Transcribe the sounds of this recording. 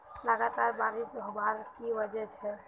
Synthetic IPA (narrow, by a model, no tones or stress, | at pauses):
ləɡat̪aɾbaɾisbʱəbaɾkibəd͡ʒɛt͡ʃʰɛ